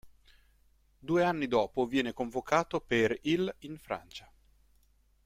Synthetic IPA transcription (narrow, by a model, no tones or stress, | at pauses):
d̪uːeanːid̪ɔːpovjɛːnekoɱvokaːt̪operilinfɾa̰nt͡ʃḁ